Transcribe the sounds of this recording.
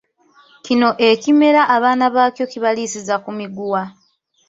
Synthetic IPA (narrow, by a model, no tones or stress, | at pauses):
cino̞ʔe̞cime̞ɾaʔːβaːnaβaːcjo̞ciβalisizakumiɡuwa